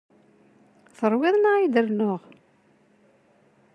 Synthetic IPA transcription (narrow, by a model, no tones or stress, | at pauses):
θəɾˤwɪðˤnaid̪əɾnoʁ